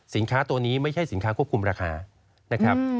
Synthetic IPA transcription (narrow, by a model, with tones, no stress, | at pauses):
si˨˩˦nkʰaː˦˥t̪u˧əniː˦˥ma˥˩jʰt͡ɕʰa˥˩jsi˩˦nkʰaː˦˥kʰu˥˩əkʰu˧mɾaː˧kʰa̰ː˧ | na˦˥kʰɾa˦˥p̚